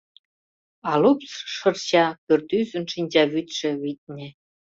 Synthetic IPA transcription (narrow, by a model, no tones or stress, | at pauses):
ɑlupsʃɤ̆rt͡ɕɑpørt̪yzə̆nʃinʲd͡ʑɑβyt̪ʃĕβit̪̚ʲnʲĕ